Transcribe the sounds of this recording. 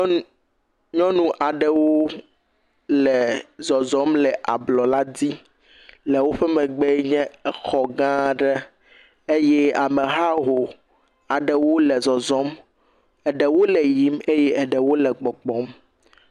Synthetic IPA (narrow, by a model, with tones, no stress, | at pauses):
ɲɔ̃˦nũ˦ʔa˨ɖɛ˨wo˦ | lɛ˨zɔ˨zɔ˦mlɛ˨ʔa̰˨blɔ˨la˦di˦ | lɛ˨wo˦ɸɛ˦mɛ̃˨ɡ͡be˦ɲɛ̃˦ɛ˦xɔ˨ɡã˦ɖɛ˦ | e˦jɛ˦a˨mɛ˨ɦa˦ɦo˨ | a˨ɖɛ˨wo˦lɛ˨zɔ˨zɔ̃˦m | ɛ˨ɖɛ˨wo˦lɛ˨ji˨˦me˦jɛ˦ʔɛ˨ɖɛ˨wo˦lɛ˨ɡ͡bɔ˨ɡ͡bɔ˨˦m